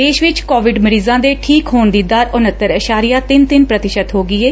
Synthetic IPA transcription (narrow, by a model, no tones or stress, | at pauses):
eːʃʋɪt͡ʃkoːʋɪɖməɾiːzãːd̪eːʈʰiːkɦoːnd̪iːd̪aːɾʊnət̪ːəɾəʃaːɾɪjaːt̪ɪnt̪ɪnpɾət̪ɪʃət̪ɦoːɡɪːeː